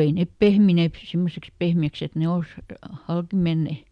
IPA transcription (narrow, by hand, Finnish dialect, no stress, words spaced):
ei nep pehmineːp pĭ simːoseks pehmiæks et ne ols hɑlki menːe